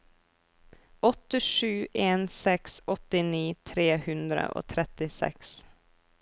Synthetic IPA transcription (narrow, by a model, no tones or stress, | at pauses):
ɔt̪ːəʂʉ̟ːʔeːnsɛksɔt̪ːɪniːt̪ʰɾeːhɵnd̪ɾə̰ʔo̰ːt̪ʰɾɛt̪ːɪsɛ̰ks